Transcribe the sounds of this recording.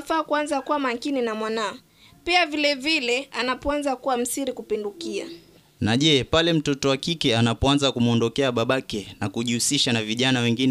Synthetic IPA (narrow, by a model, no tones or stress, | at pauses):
faːkuanzakuwamaŋkininamwanaɔ | piavilɛvilɛanapɔanzakuwam̩siɾikupindukia̰ | naʄɛpalɛm̩tɔtɔwakikɛanapɔanzakumɔndɔkɛaɓaɓakɛnakuʄihusiʃanaviʄanawɛŋɡinɛ